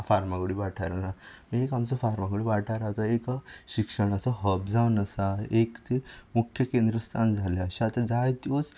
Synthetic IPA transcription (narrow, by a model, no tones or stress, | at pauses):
faɾmakoɽiʋaʈʰaɾna | ekamt͡sɔfaɾmakuɽiʋaʈʰaɾat̪aekɕikʂəɳ̃əsɔɦəb̚d͡zaʋnəsaekt͡semukʰjəkẽnd̪ɾəst̪ʰand͡zʱalaaɕiat̪ad͡zajt̪jot͡s